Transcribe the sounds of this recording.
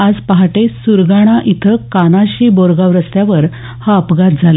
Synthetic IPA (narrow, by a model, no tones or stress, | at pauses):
ad͡zpaɦaʈesuɾɡaɽ̃aʔit̪ʰəkanaɕiːboɾɡaʋɾəst̪jaʋəɾ | haəpɡat̪̚d͡zʱale